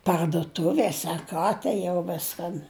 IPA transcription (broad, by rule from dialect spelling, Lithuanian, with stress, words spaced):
pɐrdʊˈtʊʋʲeːsʲ ɐr ˈkɑː tɐɪ jɛʊ ˈʋʲɪskɐn